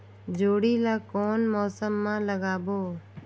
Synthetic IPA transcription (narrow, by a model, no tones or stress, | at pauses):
d͡ʒoːɽiːlaːkoːnmoːsəmːãːləɡaːboː